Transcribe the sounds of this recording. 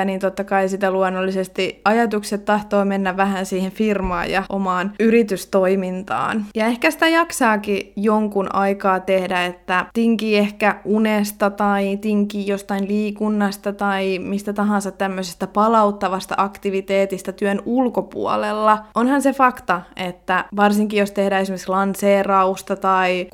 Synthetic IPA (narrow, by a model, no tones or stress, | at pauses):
niːnt̪ot̪ːɑkɑisit̪æluonːolːisest̪iɑjɑt̪ukset̪tɑht̪oːmenːæʋʋæhænsiːhenfirmɑ̰ːjɑ̰ʔomɑːnyɾit̪yst̪oimint̪ɑ̰ːnjɑehkæsi̥t̪æjɑksɑːkijoŋkunʔɑikɑːt̪ehdæet̪ːæt̪iŋkiːehkæunest̪ɑt̪ɑit̪iŋkiːjost̪ɑinliːkunːɑst̪ɑt̪ɑimist̪æt̪ɑɦɑ̃nsɑt̪t̪ːæmːøsest̪æpɑlɑut̪ːɑʋɑst̪ɑ̰ʔɑkt̪iʋit̪eːt̪ist̪æt̪yønulkopṵo̰lelːɑʔonhɑnsefɑkt̪ɑet̪ːæʋɑrsiŋkijost̪ehdæːesimekslɑnseːrɑust̪ɑt̪ɑi